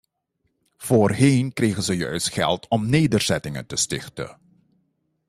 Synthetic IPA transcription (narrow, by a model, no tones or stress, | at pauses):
v̥oːrɦenkrejɣənzəjœ̰ɥstχɛ̰lˠtɔmneːdərz̥ɛtɪŋə̰ntəstɪxtə̰